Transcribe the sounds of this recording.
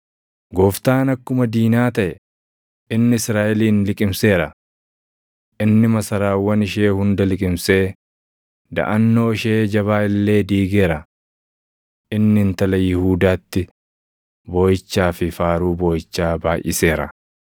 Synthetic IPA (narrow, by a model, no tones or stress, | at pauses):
ɡɔft̪aːnɐkːʊmɐd̪iːnaːt̪ɐʔɛ | ɪnːɪɪsɾaːʔɛliːnlɪkʼɪmse̞ːɾɐ | ʔɪnːɪmɐsɐɾaːwːɐnɪʃeːhʊnd̪ɐlɪkʼɪmse̞ː | d̪ɐ̰ʔɐnːo̞ːɪʃeːd͡ʒɐβaːɪlːe̞ːd̪iːɡe̞ːɾɐ | ʔɪnːɪnt̪ɐlɐjɪhuːd̪aːt̪ːɪ | boːjɪt͡ʃːaːfɪfaːɾuːboːjɪt͡ʃːaːbaːjʔɪse̞ːɾɐ̰